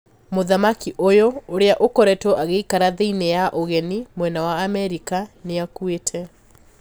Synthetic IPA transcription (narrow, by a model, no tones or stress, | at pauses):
moðamakiʔojooɾeaʔokɔɾɛtɔʔaɣeikaɾaðeinejaʔoɣɛnimwɛnawaːmɛɾikaneakuetʰɛ